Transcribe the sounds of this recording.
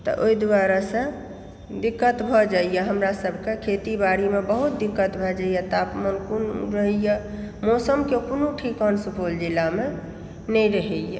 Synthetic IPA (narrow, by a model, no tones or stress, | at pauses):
t̪ɔ̰ʔoid̪waɾasə̃ | d̪ikːət̪bʱɔd͡ʒaijaɦəmɾasəbʱkekʰet̪ibaɾimebəɦut̪̚d̪ikːət̪bʱɔd͡ʒaijat̪apmənkunṵɾəɦɛjəmɔsəmkekonuʈʰikɔnsupʰold͡ʒilːame | nɛjɾəɦɛjjḛ